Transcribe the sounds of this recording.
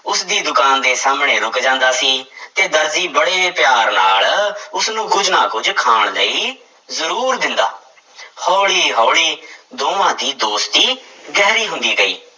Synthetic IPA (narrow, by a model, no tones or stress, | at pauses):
ʊsd̪iːd̪ʊkaːnd̪eːsaːmɳeːɾʊkd͡ʒãːnd̪aːsiːt̪eːd̪əɾziːbəɽeːpɪjaːɾna̰ːlʊsnũːɡʊd͡ʒnaːkʊd͡ʒkʰaːɳləiː | zəɾuːɾd̪ɪnd̪aː | hɔːɽiːɦɔːɽiːd̪oːʋãːd̪iːd̪oːst̪iːɡɛːɾiːɦʊ̃nd̪iːɡəḭː